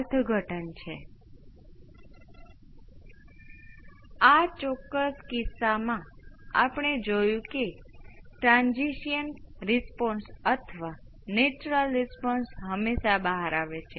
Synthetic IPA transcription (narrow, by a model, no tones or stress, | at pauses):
ɾt̪ʰɡʱəʈənt͡ʃʰe | at͡ʃɔkːəskɪsamã | apəɳ̃ed͡ʒojũke | ʈɾãnd͡ʒiʃjənɾispɔnsət̪ʰəʋa | net͡ʃuɾəlɾisponsɦəmːeʃabəɦaɾaʋet͡ʃʰe